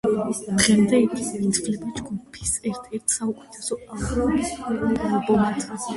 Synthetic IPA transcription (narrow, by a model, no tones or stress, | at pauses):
d̪χɛmd̪ɛikʰʼit̪ʰflɛpʼɛt͡ʃɡʰupʰi̥sɛɾt̪ʰɛɾt̪ʰsaukʼɛ̥t̪ʰasɔaɔ | bɔmat̪ʰʼa